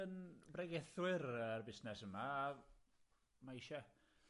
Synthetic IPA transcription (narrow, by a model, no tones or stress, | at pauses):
ənbrɛɡɛθwɪrərbɪsnɛsəmaː | maɪʃɛ